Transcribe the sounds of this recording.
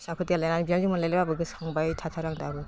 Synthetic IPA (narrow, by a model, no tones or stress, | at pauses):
sakʰɯtijalajnanbianzimɯnlajlababɯɡɯsaŋbajtʰatʰaɾaŋdabɯ